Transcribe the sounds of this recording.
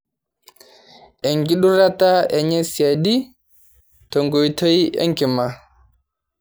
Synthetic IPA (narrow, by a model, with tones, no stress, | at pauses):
ʔɛ˨ŋɡi˦ɗu˦ɾata˦ɛ˨ɲa˦siadi | tɔŋɡɔ˨jtɔ˦jɛ̰˦ŋki˨ma